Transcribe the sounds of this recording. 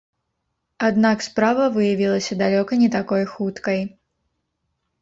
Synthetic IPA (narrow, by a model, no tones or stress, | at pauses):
ad̪nakspɾavɐvɨjavʲilˠɐsʲɐd̪alʲɔkɐnʲɛt̪akɔjxut̪kɐj